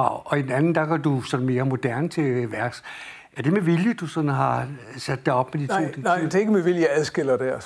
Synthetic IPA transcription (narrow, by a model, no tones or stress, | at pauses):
ɑ̈ʊ̰ɒ̽idenænn̩d̥ɑ̈ɡ̥ɒd̥usɒ̽nme̝ːɐmo̝d̥æɐ̰nt͡sʰe̝ʋæɐ̰ɡ̥s | ʔæɐd̥e̝meʋiljəd̥usɒ̽n̩ɦɑ̈ | sæd̥ːɑ̈ɒ̽b̥med̥it͡sʰo̰ːd̥enɑɪd̥ee̝ɡ̥əmeʋiljɑæðˠsɡ̥el̰ɐd̥æɐ